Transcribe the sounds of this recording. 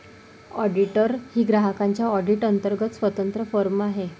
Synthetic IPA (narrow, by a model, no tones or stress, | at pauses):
ɔɖiʈəɾhiːɡɾaɦəkaɲt͡ɕjaɔɖiʈənt̪əɾɡət̪sʋət̪ənt̪ɾəfəɾmaɦe